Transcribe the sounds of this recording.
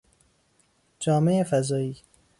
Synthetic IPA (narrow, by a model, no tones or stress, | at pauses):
d͡ʒɒːme̞efæzɒːiː